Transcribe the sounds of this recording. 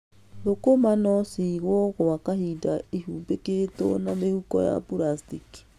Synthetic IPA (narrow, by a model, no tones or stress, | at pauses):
ɾokomanɔsiɣwɔɣoakahidaihuːmbeketo̰namehukɔ̰ja̰puɾastiki̥